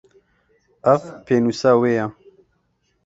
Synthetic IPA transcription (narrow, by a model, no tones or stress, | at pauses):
ɐvpʰeːnusaːweːja